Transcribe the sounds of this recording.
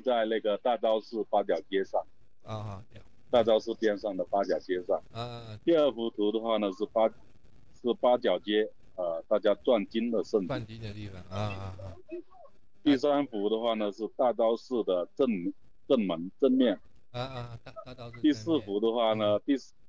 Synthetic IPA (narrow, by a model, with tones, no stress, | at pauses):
t͡sa˥˧ɪna˥˩ɡə˩t̪a˥˩t͡sɑ˥ʊʂɻ̩˥˩pa˥t͡ɕjɑ˨˩ʊt͡ɕjɛ˥ʂɑ˥˩ŋ | t̪a˥˩t͡sɑ˥ʊʂɻ̩˥˧pjɛ˥nʂɑ˥˩ŋd̪ə˩pa˥t͡ɕjɑ˨˩ʊt͡ɕjɛ˥ʂɑ˥˩ŋt̪i˥˧ə˞˥˩fu˧˥t̪ʰu˧˥d̪ə˧xwa˥˩nə˩ʂɻ̩˥˩pa˥ | ʂɻ̩˥˩pa˥t͡ɕjɑ˨˩ʊt͡ɕjɛ˥ | ə˧t̪a˥˩t͡ɕja˥ʈ͡ʂwa˥˩nt͡ɕi˥nd̪ə˨ʂə˥˩nfu˨˩˨ | t̪i˥˩s̬a˥nfu˧˥d̪ə˧xwa˥˩nə˩ʂɻ̩˥˧t̪a˥˩t͡sɑ˥ʊʂɻ̩˥˩d̪ə˩ə˥˩nm˧˥ | ʈ͡ʂə˥˩nmə˧˦˥ŋʈ͡ʂə˥˧nmjɛ˥˩n˧ | t̪i˥˧sɹ̩˥˩fu˧˥d̪ə˧xwa˥˩nə˨t̪i˥˧˥